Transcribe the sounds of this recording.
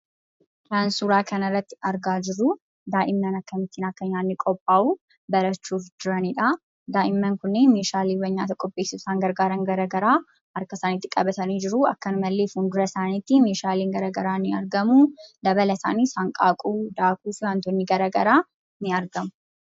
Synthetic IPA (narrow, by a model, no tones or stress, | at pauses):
taːnsuːɾaːkʰɐnɐrːɐt̪ːɪ̥ɐɾɡaːd͡ʒɪɾʊ | d̪aːʔɪmːɐnɐkːɐmɪt̪ːiːnɐkːɐɲːaːnːɪkʼɔpʼːaːʔuː | bɐɾɐt͡ʃːuːfd͡ʒɪɾɐnɪᶑɐ | d̪aːʔɪmːɐŋkʊnːeːnmeːʃaːliːwɐɲːaːt̪ɐkʼɔpʼːe̞ːsɪssaːŋɡɐɾɡaːɾɐŋɡɐɾɐɡɐɾaː | ɐɾkɐsaːniːt̪ːɪkʼɐbɐt̪ɐniːd͡ʒɪɾʊɐ̰kːɐnmɐlːeːfuːnd̪ʊɾɐsaːnit̪ːimeːʃaːliːŋɡɐɾɐɡɐɾaːnːɪɐɾɡɐmud̪ɐbɐlɐsa̰ːniːsaːŋkʼaːkʼuːd̪aːkʼuːfɪwaːnt̪ɔnːɪɡɐɾɐɡɐɾaː | nɪɐɾɡɐmʊ̥